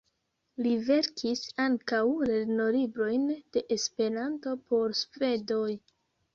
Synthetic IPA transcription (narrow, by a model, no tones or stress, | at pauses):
live̞ɾkʰisaŋkawle̞ɾno̞libɾo̞jnd̥e̞ʔespe̞ɾanto̞po̞ɾspe̞do̞j